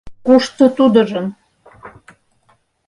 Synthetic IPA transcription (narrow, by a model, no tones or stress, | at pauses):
kuʃt̪ə̆t̪ud̪ə̆ʒəm